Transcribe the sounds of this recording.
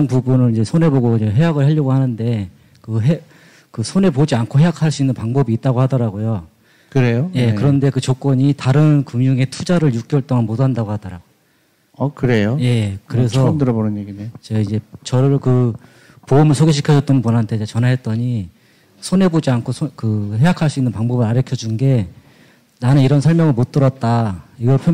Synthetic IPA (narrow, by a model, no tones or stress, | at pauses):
npubunɯnid͡ʑe̞sʰone̞boɡoeɦe̞jaɡɯɭhaʎːjʌɡohanɯnde̞ | kɯɦe | kɯsʰone̞pod͡ʑiankʰoɦe̞jakʰaɭs͈uinːɯnpaŋbʌbiːt̚t͈aɡohadʌɾaɡojo | kɯɾe̞joje̞kɯɾʌnde̞kɯt͡ɕok͈ʌɲitaɾɯnkɯŋjuŋe̞tʰud͡ʑaɾɯɭjuk͈̚jʌɭt͈ʌŋanmodandaɡohadʌɾaɡo | akɯɾe̞joje̞kɯɾe̞sʰʌmdɯɾʌbonɯnjeɡinet͡ɕeid͡ʑe̞t͡ɕʌɾɯɭkɯ | poumɯɭsʰoɡeɕʰi̥kʰjʌd͡ʑʌt͈ʌnpunɦantʰe̞d͡ʑet͡ɕʌnɦaɦe̞t̚t͈ʌɲi | sʰone̞bod͡ʑiankʰosʰkɯɦe̞jakʰaɭs͈uinːɯnpaŋbʌbɯɾaɾjʌkʰjʌd͡ʑunɡe̞ | nanɯniɾʌnsʰʌɭmjʌŋɯɭmot͈ɯɾʌt̚t͈aiɡʌɭpʰjʌ